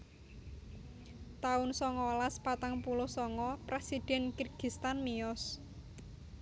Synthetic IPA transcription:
t̪aʊnsɔŋɔlaspat̪aŋpulʊhsɔŋɔpɾesid̥ɛ̤nkirɡ̥i̤st̪anmiɔs

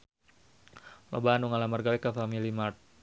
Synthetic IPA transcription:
lʔɔ̰baanuŋalamarɡawɛkafamilimart̪̚

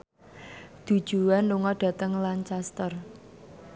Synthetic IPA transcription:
d̪̥ṳ̥ʒ̥ṳanluŋɔɖ̥ä̤t̪əŋlant͡ʃast̪ər

